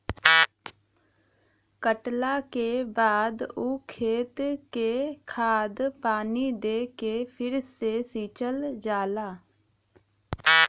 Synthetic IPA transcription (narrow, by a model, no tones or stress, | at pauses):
kəʈlaːkeːbaːd̪oːkʰeːt̪keːkʰaːd̪paːniːd̪eːkepʰɪɾsesiːt͡ʃəld͡ʒaːlaː